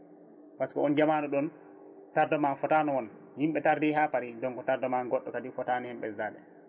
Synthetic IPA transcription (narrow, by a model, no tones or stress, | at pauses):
paskɔɔnd͡ʒamanuɗɔn | taɾdɔmanfɔtaːnɔwɔn | himɓɛtaɾdiɦaːpaɾidɔŋkɔtaɾdɔmanɡɔɗːɔkadifɔtanɔhɛmɓɛ̰zaɗɛ̰